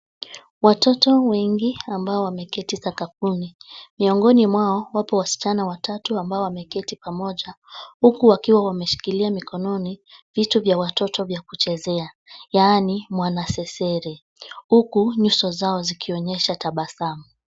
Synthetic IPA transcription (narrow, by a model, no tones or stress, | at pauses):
watɔtɔwɛŋɡiambaɔwamɛkɛtisakap̚unimiɔŋɡɔnimwaɔwapɔwasi̥t͡ʃanawatatuambaɔwamɛkɛtipamɔʄahukuwakiwawamɛʃi̥kiliamikʰɔnɔnivituvjawatɔtɔvjakut͡ʃɛzɛa | jaːnimwanasɛsɛɾɛ | hukuɲusɔzaɔzikʰiɔɲɛʃataɓasamu